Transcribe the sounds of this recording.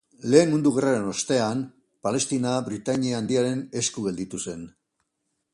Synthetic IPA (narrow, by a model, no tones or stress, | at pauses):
le̞ːnmund̪uɣeraɾe̞no̞st̪e̞an | pale̞st̪inabɾit̪aɲiaand̪iaɾe̞ne̞skuɣe̞ld̪it̪use̞n